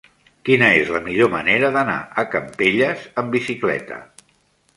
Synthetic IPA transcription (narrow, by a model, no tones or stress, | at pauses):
kinəezləmiʎoməneɾəðəna̰əkəmpeʎəzəmbisiklɛ̰t̪ə̰